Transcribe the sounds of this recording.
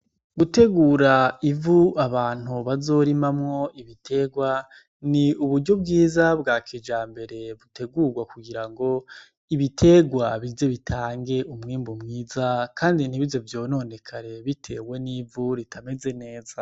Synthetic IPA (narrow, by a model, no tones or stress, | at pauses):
ɡute̞ɡuːɾaivuaβaːn̥huβazo̞ɾimamŋo̞iβitʰe̞ɡwa | niuβuɾɟo̞b̚ɡiːzabɡaːkʰid͡ʒaːmbe̞ɾe̞βutʰe̞ɡuːɡwakuɡiɾaŋɡo̞ | iβitʰe̞ɡwaβize̞βitʰaːŋɡe̞ʔumŋiːmbumŋiːzakʰaːndin̥iβivzo̞vjo̞ːno̞ne̞kʰaɾe̞βitʰe̞̰ːwe̞nivuɾitʰame̞ze̞ne̞ːza